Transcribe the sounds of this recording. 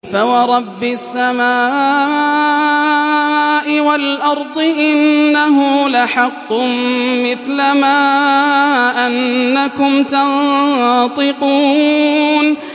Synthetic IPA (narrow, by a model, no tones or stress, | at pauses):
fawɑɾˤɑbːɪsːamaː | ʔɪwalʔɑɾˤd̪ˤɨʔɪnːaɦʊlaħɑqːʊmmɪθlamaː | ʔanːakʊmt̪an | t̪ˤɨquː | n